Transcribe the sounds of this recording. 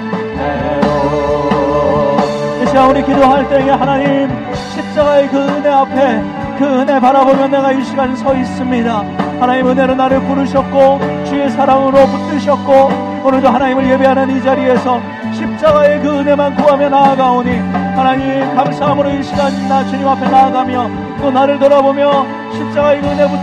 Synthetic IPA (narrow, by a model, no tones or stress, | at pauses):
esʰiɾaunikidoɦaɭt͈e̞ŋe̞hanaɲim | ɕʰip̚t͡ɕ͈aɡae̞kɯɯne̞apʰe̞ | kɯɯne̞paɾabomjʌnːeɡajuɕʰiɡansʰʌis͈ɯmɲidahanaɲimɯne̞ɾonaɾɯɭpuɾɯɕʰʌt̚k͈ot͡ɕiesʰaɾamɯɾoput͈ɯɕʰʌt̚k͈o | onɯɭdohanaɲimɯɭje̞biɦanɯnid͡ʑaɾie̞sʰʌ | ɕʰip̚t͡ɕ͈aɡae̞kɯɯne̞mankuɦamjʌnaːɡaoɲihanaɲimkamsʰaɦamɯɾoiɕʰiɡaɕʰinːat͡ɕuɲimapʰe̞naːɡamjʌ | t͈onaɾɯɭtʌɾabomjʌ | ɕʰip̚t͡ɕ͈aɡaekɯɯne̞bu